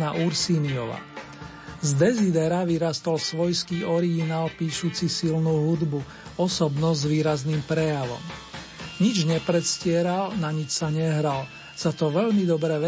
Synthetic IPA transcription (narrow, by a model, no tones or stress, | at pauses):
naʔuɾsiːniɔ̰ʋa̰ | zd̪ɛzid̪ɛɾaʋiɾast̪ɔlsʋɔjskiːɔɾiɡinaːlpiːʃuːt͡sisilnuːɦud̪bu | ɔsɔbnɔzʋiːɾazniːmpɾɛjaʋɔ̰m | ɲid͡ʒɲɛpɾɛt̪scɪɛɾalnaɲit͡ʃsaɲɛɦɾal | sat̪ɔʋɛʎmid̪ɔbɾɛʋɛ